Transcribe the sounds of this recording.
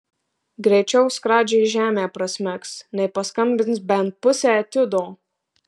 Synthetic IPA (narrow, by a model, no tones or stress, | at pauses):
ɡɾʲɛɪt͡ʃʲɛʊskɾɑːd͡ʒʲɛɪʒʲæːmʲeːpɾɐsʲmʲɛksnɛɪpɐskɐmʲbʲɪnsbʲɛnt̪̚pʊsʲæːt̪ʲɪd̪oː